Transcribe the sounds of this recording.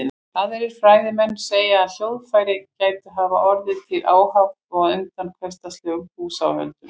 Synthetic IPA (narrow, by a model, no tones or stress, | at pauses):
aðɛɾɪɾ̥fɾaːjðɪmɛnːseːjaːðljowðfajɾɪcaːjt̪aɦava̰ʔɔɾðɪt̪ʰɪlʔaːwhaft̪ɔɣðʏnt̪ankʰvɛst̪ast̪lœɣʏpuːsa̰whœ̰lt̪ʏɾ